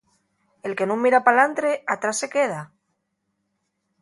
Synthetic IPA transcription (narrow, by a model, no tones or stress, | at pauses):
e̞lke̞nũŋmːiɾapalant̪ɾe̞at̪ɾasːe̞ke̞ð̞a